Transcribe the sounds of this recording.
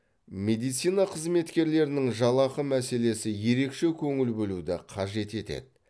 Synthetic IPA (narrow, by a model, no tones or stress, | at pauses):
mʲe̞d̪ijt̪sijnɑqʰəzme̞t̪kʲe̞ɾle̞ɾɪnɪŋʒɑlˠɑqəmæse̞le̞sɪje̞ɾe̞kʃe̞kʲʰɵŋɪlbɵlud̪ɪqʰɑʒe̞t̪e̞t̪ḛd̪ɪ